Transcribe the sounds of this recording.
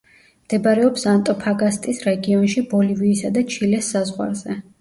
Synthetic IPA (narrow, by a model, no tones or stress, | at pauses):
md̪̥ɛbaɾɛɔpsant̪ʼɔpʰaɡast̪ʼisɾɛɡiɔnʃibɔliviːsad̪at͡ʃʰilɛsːazʁwa̰ɾzɛ